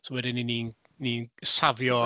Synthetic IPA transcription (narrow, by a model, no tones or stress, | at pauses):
sowɛdɪniniːn | niːnsavjɔ